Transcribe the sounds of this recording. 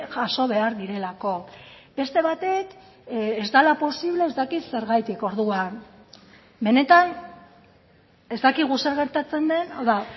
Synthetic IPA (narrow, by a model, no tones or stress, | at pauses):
ʝaʃo̞β̞e̞aɾðiɾe̞lako̞ | b̥e̞st̪e̞β̞at̪e̞k | ezd̪alapo̞siβ̞le̞ːzt̪akit̪se̞ɾɣajt̪iko̞ɾðuan | be̞ne̞t̪an | e̞zt̪akiɣ̞use̞ɾɣe̞ɾt̪at͡se̞nd̪e̞nawða